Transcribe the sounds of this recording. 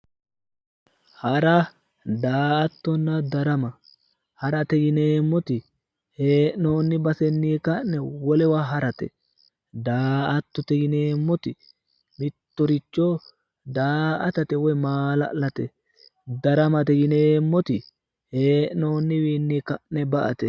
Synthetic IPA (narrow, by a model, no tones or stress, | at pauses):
hɐɾɐ | d̪aːɐt̪ːɔnːɐd̪ɐɾɐmɐ | hɐɾɐt̪ɛjɪneːmːɔt̪ɪ | heːʔnoːnːɪbɐsɛnːiːkɐnɛwɔlɛwaɦɐɾɐt̪ɛ̰ | d̪aːʔɐt̪ːɔt̪ɛjɪneːmːɔt̪ɪ | mɪt̪ːɔɾɪt͡ʃːɔ | d̪aːʔɐt̪ɐt̪ɛwɔjmaːlɐ̰ʔlɐt̪ɛ | d̪ɐɾɐmɐt̪ɛjɪneːmːɔt̪ɪ | heːʔnoːnːɪwiːnːiːkɐʔnɛbɐʔɐ̰t̪ɛ